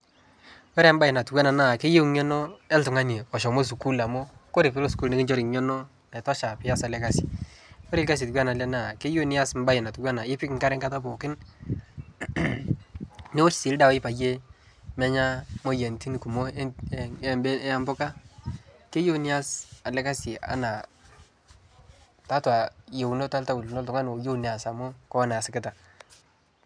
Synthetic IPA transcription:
wɛ˦ɾmba˦jɪ˨na˨tu˨kwa˦na˨na˦˨ke˦je˦ŋɔ˦nɔ˦ɛ˦ltʊ˨ŋa˦ni˨ɔ˨ʃɔ˨mo˦s̬u˨ku˦la˨mo˦ko˦ɾe˨kɪ˦ɾo˦sku˦lnɪ˦kɪ˦nd͡ʒɔ˦ɾi˨ɲɔ˦nɔ˦ | na˨tɔ˦ʃa˨pɪ˨˦a˦sa˨lɛ˨˦ka˦si̥˨wɛ˦ɾɪ˦lka˦s̬i˨tu˨kwa˦na˨lɛ˦na˨ke˦jo˦nɪ˦a˦sm˦ba˦jɪ˨na˨tu˨kwa˦na˨je˦pɪ˦kŋka˦ɾɛ˦ŋka˦ta˦po˨kɪ˦n | nɪ˦wɔ˦ssi˨lda˨wɪ˦pa˨je˦ | mɛ˦ɲa˦mo˦jɛ˨nti˦ni˨ku˨mo˦ | bɛ˦a˦mbʊ˦ka˦ | ke˦jo˦ni˦a˦sa˨lɛ˦ka˦sɪ˨a̰˦na˨ | ta˦twa˨jo˨wno˦ta˦lta˦wu˨lnɔ˦ltʊ˨ŋa˦no˨jo˦ni˨a˨sa˨mʊ˦kɔ˦a˦na˨sɪ˦kɪ˦ta˨

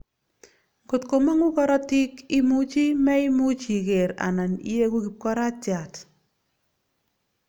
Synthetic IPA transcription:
ko˨tko˨ma˦ŋu˦kɔ˦ɾɔ˦ti˦ki˦mu˦t͡ʃi˦mɛ˦i˦mu˦t͡ʃi˨ke˨ɾa̰˨na˨nḭ˦je˦ku˦ki˨p̚kɔ˦ɾa˦t͡ʃja˨t

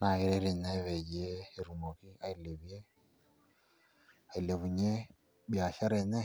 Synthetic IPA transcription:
na˨ɣi˨ɾe˦ɾi˨neβe˨ɟieː˦˨ɾumo˨ki˦a˦i˨le˨βje˦ | a˨i˨le˨βu˨ɲe˦ | βja˨ʃa˦ɾe˨ne˦

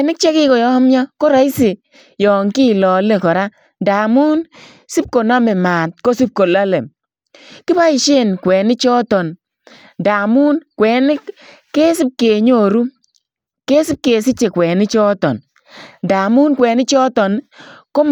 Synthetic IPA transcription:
nɪ˦k̚t͡ʃe˦kɪ˦kɔ˨jɔ˦mjɔ˦ko˦ɾa˨˦i˦si˨ | jɔ˨ŋki˦˨lɔ˨le˦˨kɔ˨ɾa˦ | nda˨mu˦n | si˦p̚ko˨na˦mɛ˨ma˨t̚ko˦si˦p̚ko˨la˦le˨m | kɪ˦ba˦i˨ʃe˦nkwɛː˨nɪ˦t͡ʃɔː˦tɔ˨n | da˨mu˦nkwɛː˨nɪ˦k | ke˦sɪ˦p̚ke˨ɲo˦˨ɾu˦ | ke˦sɪ˦p̚keː˨sɪ˦t͡ʃe˨kwɛ˨nɪ˦t͡ʃɔː˦tɔ̰˨n | nda˨mu˦nkwɛː˨nɪ˦t͡ʃɔ˦tɔ˨nko˦

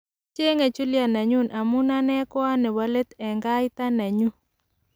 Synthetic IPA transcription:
t͡ʃe˦ŋe˨t͡ʃu˦lja˨na˨ɲu˦nʔa˨mʊ˦na˦nɛ˦kɔ˦a˦nɛ˨wa˦le˦t̪ɛ˨ŋɡa˦jɪ˦t̪a˦na˨ɲu˦

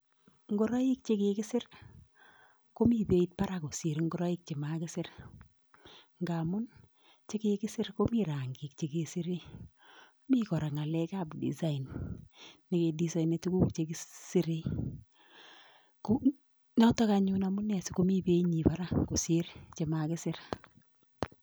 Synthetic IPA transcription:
ŋɡʊ˦ɾa˦ji˦k̚t͡ʃe˦ke˦kɪ˦sɪ˦r | ko˦mi˦pe˦it̚pa˦ɾa˨ko˨sɪ˨ɾŋɡʊ˦ɾa˦i˦k̚t͡ʃe˨makɪ˦sɪ˦ɾ | ŋɡa˨mʊ˦n | t͡ʃe˦ke˦kɪ˦sɪ˦rko˦mi˦ɾa˨ŋɡɪ˨k̚t͡ʃe˨ke˦sɪ˦ɾi˦ | mi˦kɔ˨ɾa˨ŋa˨lɛ˦ka˨bdḭ˨sa˦i˨nː | ɪ˨ke˨di˨sa˦ine˨tu˦ku˦kt͡ʃekɪ˦sɪ˦ɾi˦ | ko | nɔ˦tɔ˦kaɲʊ˦na˨mʊ˦nɛ˨sɪ̥˦ko˦mi˦be˦i˦ɲi˨pa˦ɾa˦ko˨sɪ˦ɾt͡ʃe˨makɪ˦sɪ˦r

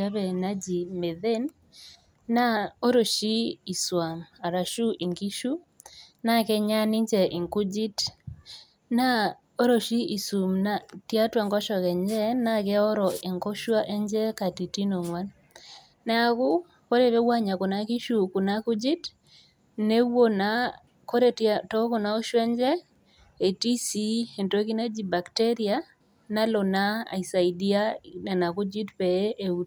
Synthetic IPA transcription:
a˦bɛ˨na˦d͡ʒi˨me˨ðe˦nː | a˦o˦ɾo˨ʃi˦i˨swa˨ma˨ɾa˨ʃu˦ʔi˨ŋɡi˦ʃu˦ | na˦kɛ˦ɲa˦ni˦ɲd͡ʒɛ˨ʔɪ˨ŋku˦d͡ʒi˦t | na˦ | o˦ɾo˨ʃi˦i˨su˨mna˦tja˦twa˨ŋɡɔ˦ʃɔ˨kɛ˨ɲd͡ʒɛ˦na˦kɛ˦ɔ˦ɾɔ˨e˨ŋko˦ʃwa˦ʔɛ˦ɲd͡ʒɛ˦ka˨ti˨ti˦no˨ŋwa˦nː | ɛ˦a˨kʊ˦ | ko˦ɾe˨βe˦wa˦ɲa˨kɔ˨na˦ki˦ʃuku˨na˦ku˦d͡ʒi˦t | ne˦wo˦na | ko˦ɾe˦tɔ˦kɔ˨na˦o˦ʃwɛ˦ɲd͡ʒɛ˦ | e˨ti˦si˦e˨nto˦ki˦ne˦d͡ʒi˨ba˨kte˦ɾia˦ | na˦lɔ˨na̰ː˦˨isa˨i˨di˦a˦nɛ˨na˨ku˦d͡ʒi˦tpe˨˦ʔe˦ut

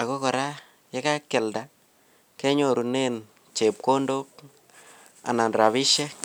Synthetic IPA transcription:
a˨ko˦kɔ˨ɾa˦ | je˦ka˦kːɛ˨lda˨ | kɛ˦ɲo˨ɾu˨ne˦n | t͡ʃe˨p̚ko˦ndo˦k̚ | a̰˨na˨nɾa˨βɪ˦ʃɛ˦

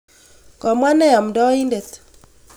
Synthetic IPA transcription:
kɔ˨mwa˦nɛ˦jɔ˨mdɔ˦i˦nde˨t̪

